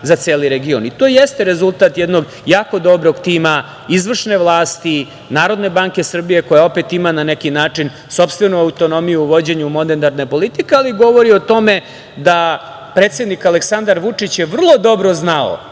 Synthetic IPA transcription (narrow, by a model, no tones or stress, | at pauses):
zat̪seːliɾeɡionit̪oːjest̪eɾe̞zulˠt̪at̪jed̪no̞ɡ | jaːko̞d̪o̞bɾo̞ɡt̪iːma | izʋr̩ʃne̞ʋlˠaːst̪i | naːɾo̞d̪ne̞baŋke̞sr̩bije̞ko̞jao̞pe̞t̪imananekinaːt͡ʂin | so̞pst̪vʋe̞nuaut̪o̞no̞mijuuʋo̞d͡ʑe̞ɲumo̞net̪aɾne̞po̞lit̪ikealiɡo̞ʋoɾio̞t̪o̞me̞ | d̪a | pɾeːt̪se̞d̪nikaleksand̪aɾʋut͡ʂit͡ɕjeʋr̩lˠo̞d̪o̞bɾo̞znao̰